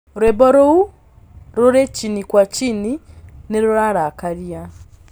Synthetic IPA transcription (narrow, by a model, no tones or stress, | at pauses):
ɾwebɔɾou | ɾoɾet͡ʃinikwat͡ʃinineɾoɾaɾakaɾja